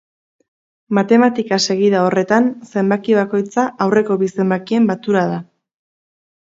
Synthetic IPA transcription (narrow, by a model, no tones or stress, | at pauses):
mat̪e̞mat̪ikase̞ɣ̞iðao̞re̞t̪anse̞mbakiβ̞ako̞jt͡saʔawre̞ko̞βise̞mbakie̞mbat͡s̪uɾað̞a